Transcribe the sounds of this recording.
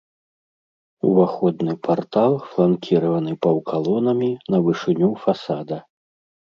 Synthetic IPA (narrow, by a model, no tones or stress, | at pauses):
ṵvaxɔd̪nɨpʰart̪alˠflˠankʲiɾɐvɐnɨpɐwkʰalˠɔnɐmʲinɐvɨʂɨnʲufasad̪ɐ